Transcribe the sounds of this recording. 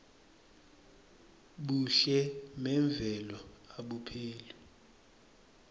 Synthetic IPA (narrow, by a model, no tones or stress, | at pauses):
ɓuɬɛmɛɱb̪vʱɛlɔaɓupʰeːlu